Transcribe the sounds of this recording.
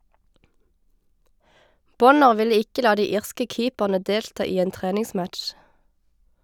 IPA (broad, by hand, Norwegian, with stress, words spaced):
ˈbɔnəʁ ˈʋɪlə ˈɪkə ˈlɑː ˈdiː ˈiːʁskə ˈkiːpæʁnə ˈdeːltɑː ˈiː ˈeːn ˈtʁeːnɪŋˌsmæʈʃ